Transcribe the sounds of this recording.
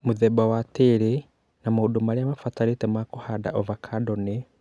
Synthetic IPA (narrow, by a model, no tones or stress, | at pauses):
muðebawatiɾi | namuudumaliamafataɾitemakuhada̰ʔovakʰadoni